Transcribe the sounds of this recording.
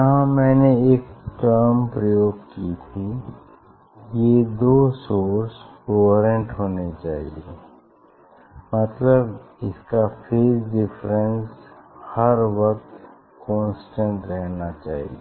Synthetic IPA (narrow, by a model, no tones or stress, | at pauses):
jɐɦãmɛ̃ːneeːkʈəɾmpɾəjoːɡkit̪ʰi | jed̪oːsoːɾskoːɾə̃ɳʈɦoːnet͡ʃa̰ːɦḭe | mɐt̪ləbɪskafʰeːsɖɪfɾə̃nshɐɾʋɐk̚t̪ | kɔ̃ːnsʈə̃ɳʈɾɛɦnat͡ʃa̰ːɦḭe